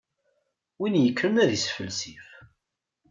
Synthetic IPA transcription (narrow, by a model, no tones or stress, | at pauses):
winjəkːɾənæðisfəlsif